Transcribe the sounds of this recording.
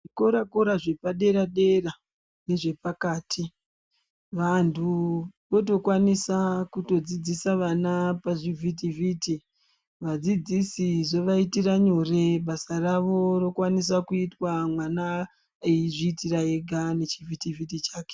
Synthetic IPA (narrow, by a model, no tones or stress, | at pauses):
ʐiko̞ɾakoɾaʐe̞paɗe̞ɾaɗe̞ra | ne̞ʐe̞pakaːtʰi | ʋantʰuʋo̞to̞kwanisakuto̞d͡zid͡zisaʋanapaʐivʱit̬ivʱiːti | ʋad͡zid͡zisiʐoʋaitiraɲore̞ɓasaraʋo̞ro̞kwanisakuitwamwana | eiʐiːtiraeɡʱane̞t͡ʃivʱitivʱit̬it͡ʃaːke̥